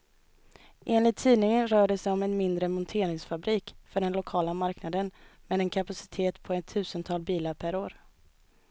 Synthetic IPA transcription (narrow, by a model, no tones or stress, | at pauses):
ʔeːnlɪt̪ʰːiːnɪŋənɾœːɖɛsɛjɔmɛnmɪnd̪ɾəmɔnt̪ʰeːɾɪŋsfabɾiːkfœɖɛnlʊkʰɑːlamaɾknad̪ənmɛd̪ɛnkʰapasɪ̥t̪ʰeːt̪pʰɔɛt̪ʰːʉ̟ːsənt̪ʰɑlbiːlaɾpʰæɾoːɾ